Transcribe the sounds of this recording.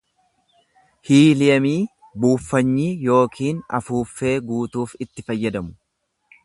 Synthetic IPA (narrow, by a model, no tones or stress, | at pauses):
hiːlɪjɐmiː | buːfːɐɲːiːjo̞ːkʰiːnɐ̰fuːfːe̞ːɡuːt̪uːfɪt̪ːɪfɐjːɐd̪ɐmʊ̥